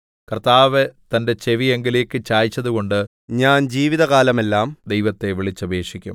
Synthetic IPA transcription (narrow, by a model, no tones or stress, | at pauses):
kɐrt̪aːʋet̪ɐnde̞t͡ɕeʋieŋɡileːkːɨt͡ɕaːjit͡ɕːɐðuɣo̞ɳɖɨ | ɲaːnd͡ʑiːʋiðɐɣaːlɐme̞lːaːmd̪e̞jʋɐt̪ːe̞ʋiɭit͡ɕːɐbʱe̞ːʂikʲːṵm